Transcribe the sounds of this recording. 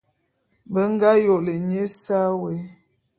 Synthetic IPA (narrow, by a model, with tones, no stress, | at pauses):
bə˦ŋ˦ɡa˦jo˨lə˨ɲe˦sa˦we˨˦